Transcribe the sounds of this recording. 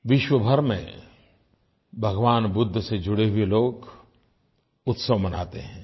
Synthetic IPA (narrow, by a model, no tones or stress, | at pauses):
ʋɪʃwəbʱɐɾmḛ̃ | bʱɐɡʋaːnbʊd̪ʱːsed͡ʒʊɽeɦʊeloːk | ʊt̪səʋmɐna̰ːt̪eɦɛ̃ː